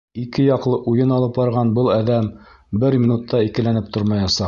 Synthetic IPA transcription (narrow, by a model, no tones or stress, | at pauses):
ikɘjɑqlˠɤʔujɤnɑlˠɤpbɑɾʁɑnbɤlˠæðæm | bɘɾmʲinut̪ːɑikɘ̆lænɘp̚t̪ʰoɾmɑjɑsɑ